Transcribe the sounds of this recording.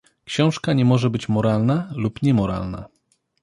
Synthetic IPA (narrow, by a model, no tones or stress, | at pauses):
kɕɔ̃w̃ʂkaɲɛmɔʐɛbɘt͡ɕmɔɾalnalupɲɛmɔɾa̰lna̰